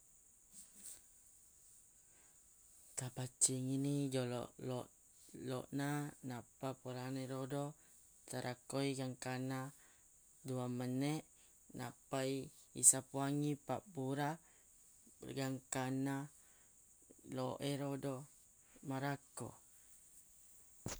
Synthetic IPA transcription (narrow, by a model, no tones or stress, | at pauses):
t̪apat͡ʃiŋinid͡ʒɔlɔ̰ʔlɔʔ | lɔ̰ʔnanapapuɾaneɾodo | t̪aɾʔakojɡaŋkana | duaməneʔ | napajḭsapuaŋipabuɾa | ɡaŋkana | loʔeɾodo | maɾako̰